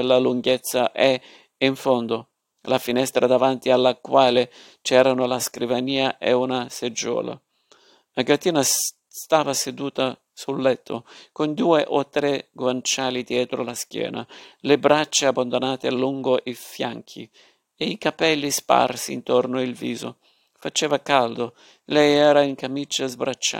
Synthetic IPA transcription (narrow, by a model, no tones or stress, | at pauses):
lːaluŋɡɛt̪sːaʔɛ | iɱfond̪ʊ | lafinɛst̪ɾʔad̪avant̪ialːakwaːlɪ | t͡ʃɛːɾanʊlaskɾivaniːaʔɛunased͡ʒːɔ̰ːla̰ | aɡat̪ːiːna | st̪aːvased̪uːt̪a | sulːɛt̪ʰːʊkond̪uːeʔɔt̪ːɾɛɡwant͡ʃaːlid̪jɛːt̪ɾolaskjɛ̰ːnalebɾat͡ʃːeabːand̪onaːt̪ealːuŋɡoʔifjaŋkʰḭ | eikapɛlːispa̰rsḭnt̪ɔrnoilvḭːzo̰ | fat͡ʃɛːvakald̪o | lɛjɛːɾaiŋkamit͡ʃːazbɾat͡ʃːa̰